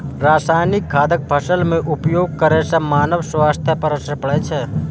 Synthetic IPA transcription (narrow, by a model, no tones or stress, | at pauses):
ɾaːsaːjnɪk̚ɡʰʱaːd̪ək̚bʱəʃəlmẽʔʊpjoːɡ̚kəɾesamaːnəʋswaːst̪ʰjəpəɾəsəpəɽɛt͡ʃʰɛ